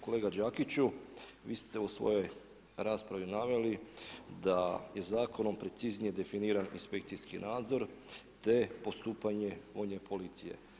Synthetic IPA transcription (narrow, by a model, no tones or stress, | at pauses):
ko̞le̞ːɡad͡ʑakit͡ɕu | ʋiːst̪e̞usʋo̞̰jo̞j | ɾaːspɾaʋinaʋelid̪aje̞zaːko̞no̞mpɾe̞t̪siznije̞d̪e̞finiːɾanḭnspe̞kt̪sijskinaːd̪zo̞ɾ | t̪e̞po̞st̪uːpaɲe̞ʋo̞jɲe̞pʰo̞lit̪sije̞̰